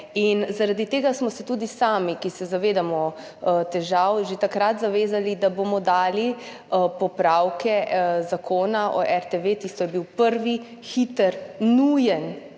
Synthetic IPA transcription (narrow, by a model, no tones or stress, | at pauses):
inzaɾad̪it̪eːɡasmɔsɛt̪uːd̪isaːmikisɛzaʋeːd̪amɔ | t̪ɛʒawʒet̪akɾat̪zaʋeːzalid̪abomɔd̪aːli | pɔpɾawkɛzakʰoːnaʔɔ̰ʔɛɾt̪eʋet̪ist̪ɔjɛbiwpəɾʋi | xit̪əɾnujɛn